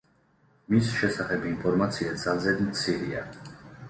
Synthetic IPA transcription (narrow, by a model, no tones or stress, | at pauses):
misʃɛsaχɛbinpʰɔɾmat̪sʰiad̪zalˠzɛd̪mt̪sʰiɾia